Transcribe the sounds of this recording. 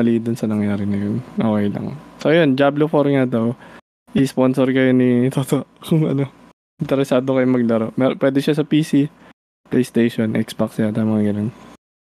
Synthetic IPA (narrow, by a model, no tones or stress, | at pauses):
ɐlid̪ʊnsɐnɐŋjaːɾɪnɐjonʔɐwɐjlɐ̰ŋsojond͡ʒaːblofoɾŋad̪ɐw | ʔɪspo̞nsoɾkɐjonit̪ot̪oʔkʊŋʔɐ̰no̞ | ɪnt̪ɛɾɛsaːd̪okɐjomɐɡ̚lɐɾoʔmɛɾpwɛːd̪ɛʃasɐpiːsi | plejst̪ejʃonʔɛ̰ksbaksjat̪ɐjmɐŋaɡɐnon